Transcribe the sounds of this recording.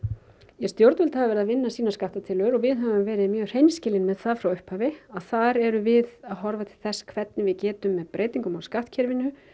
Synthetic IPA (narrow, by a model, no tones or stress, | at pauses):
jɛst̪jowɾt̪vɪlt̪havavɛɾðavɪnːasiːnaskaht̪at̪ʰɪlœɾɔɣvɪðɦœvʏmvɛːɾɪðmjœːɣr̥ejmscɪlɪnmɛðθaðfɾawʏhphaːvɪaðθaɾɛɾʏvɪðaðɦɔɾvat̪ʰɪlθɛsːḁkʰvɛt̪nɪvɪðcɛːt̪ʏmːɛðpɾʔeːjt̪iŋkʏmɔɣskaht̪cʰɛɾvɪnːʏ